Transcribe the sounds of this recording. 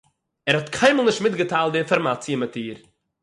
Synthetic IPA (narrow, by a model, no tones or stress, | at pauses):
ɛɾhɔtkʰaɪməlˠnɪʃtmɪtɡətaːlˠt̚dɪɪnfɔɾmat͡sjɪmətiːɾ